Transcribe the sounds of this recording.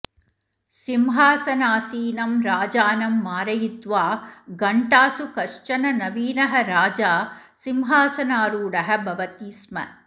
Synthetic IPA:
simɦaːsɐnaːsiːnɐmɾaːd͡ʒaːnɐmːaːɾɐjit̪ʋaːɡɐɳʈaːsukɐʂt͡ʃɐnɐnɐʋiːnɐɦɐɾaːd͡ʒaː | simɦaːsɐnaːɾuːɽɐɦɐ̆bʱɐʋɐt̪iːsmɐ̰

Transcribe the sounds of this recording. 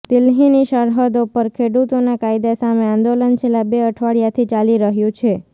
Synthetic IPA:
d̪̥ɪlɦiniʃəɾɦəd̪opəɾkʰeɽut̪onakaid̪asameãnd̪olənt͡ʃʰelːabeəʈʰʋaɽjat̪ʰit͡ʃaliɾəɦjũt͡ʃʰe

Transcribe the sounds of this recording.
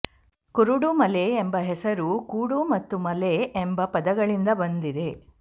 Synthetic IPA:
kuɾuɽumɐleːmbɐɦɛsɐɾukuːɽumɐt̪ːumɐleembɐpɐd̪ɐɡɐɭind̪ɐbɐnd̪id̪e̞

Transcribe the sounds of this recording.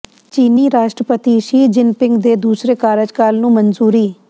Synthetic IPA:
t͡ʃiːniːɾaːʃʈɾəpət̪iːʃiːd͡ʒɪnpɪŋɡd̪eːd̪uːsɾeːkaːɾɪd͡ʒkalnũːmənzuːɾiː

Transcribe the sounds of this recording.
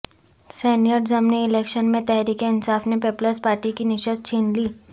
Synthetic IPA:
sɛːnijəɖzɐmniɪleːkʃənmẽt̪ɛɦɾiːkeɪnsaːfnepeːpləɾspaːɾʈikinɪʃəs̚t͡ʃʰiːnliː

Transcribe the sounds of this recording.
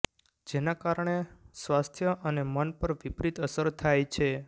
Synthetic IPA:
d͡ʒenakaɾɳ̃esʋast̪ʰjəʔənemənpəɾʋipɾit̪əsəɾt̪ʰajt͡ʃʰe

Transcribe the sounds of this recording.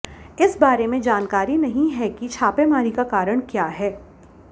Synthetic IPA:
ɪsbaːɾemẽd͡ʒaːnkaːɾinɐɦĩɦɛkit͡ʃʰaːpemaːɾikakaːɾəɽ̃kjaːɦɛː

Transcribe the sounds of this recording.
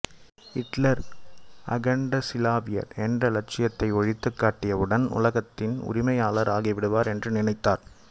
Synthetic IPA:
ɪʈlɐɾ | ɐ̰ɣɐɳɖɐsɪlaːʋɪjɐ̰ɾɛndrɐlɐʈ̚t͡ʃɪjɐt̪ːɐɪɔɻɪt̪ːɯkːaːʈːɪjɐʋɯɽɐnʊ̰lɐɣɐt̪ːɪnʊ̰ɾɪmɐjaːlɐɾaːɣɪʋɪɽɯʋaːɾɛndrɯnɪnɐɪt̪ːaːɾ

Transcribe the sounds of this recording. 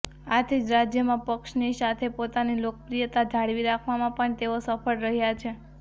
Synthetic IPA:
at̪ʰid͡ʒɾad͡ʒjəmãpəkʃnisat̪ʰepot̪anilokəpɾijət̪ad͡ʒ̪ʱaɽʋiɾakʰʋamãpəɳt̪eosəpʰəɭɾəɦjat͡ʃʰe

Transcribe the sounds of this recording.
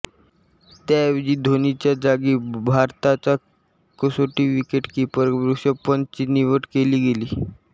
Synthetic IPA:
t̪jaʋid͡ʑiːd̪ʱonit͡ɕjad͡zaɡiːbʱaɾt̪at͡sa | kəsoʈiʋikeʈkiːpəɾbɾukɕəpənt͡ɕiːniʋəʈkeliːɡeliː

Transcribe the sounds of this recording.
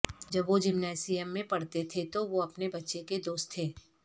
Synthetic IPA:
d͡ʒɐbʋod͡ʒɪmnɛːsɪjəmːẽpɐɽt̪et̪ʰet̪oʋoɐpnebɐtːʃeked̪oːst̪ʰːeː

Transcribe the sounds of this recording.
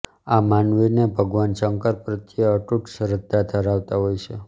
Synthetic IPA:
amanʋinebʱəɡʋant͡ʃəŋkəɾpɾət̪ijəːʈuʈʃəɾəd̪ad̪ʱəɾaʋt̪aɦojt͡ʃʰe

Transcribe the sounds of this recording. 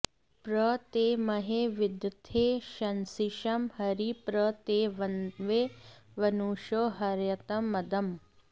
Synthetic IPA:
pɾɐt̪eːmɐɦeʋid̪jɐt̪ʰeːʃɐnsiʃɐmhɐɾipɾɐt̪eːʋɐnʋeːʋɐnuːʃoːɦɐɾjɐt̪ɐmːɐd̪ɐm

